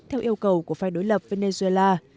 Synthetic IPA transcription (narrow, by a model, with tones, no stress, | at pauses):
t̪ʰɛ˧wʔi˧əwkə˨˩wku˧˩əfaː˧˩jɗo˨˦jlə˨˩p̚ve˧ne˧zu˧e˧laː˧